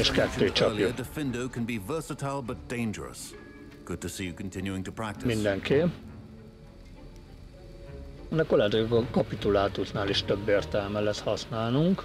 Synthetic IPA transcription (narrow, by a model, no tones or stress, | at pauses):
eːʃkɛt̪ːøːt͡ʃɒ̰pljuðəfɪ̃ndoʊkʰə̃n̩bivɜˑ˞sətʰaɪlˠbʌt̚d̥ẽɪ̃nd͡ʒə̰ɹə̰s | ɡ̥ʊd̚tɨsijɨkʰn̩tʰɪ̃njʉɪ̃ŋtʰəpʰɹ̥æk̚tɪmind̪ɛŋke | ɛnɛkolɛːt̪okɛɡɒkɒpit̪ulaːt̪usnaːliʃt̪øbːeːrt̪ɛlmɛlɛshɒsnaːlnuŋk